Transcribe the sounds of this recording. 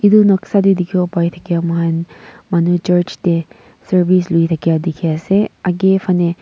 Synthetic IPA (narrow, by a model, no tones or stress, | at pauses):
id̪unɐksadid̪ikʰiopajt̪ʰɐkijamɐɦanmanut͡ʃɐɾt͡ʃte | sɐɾbislujt̪ʰɐkijad̪ikʰijaseɐɡepʰɐne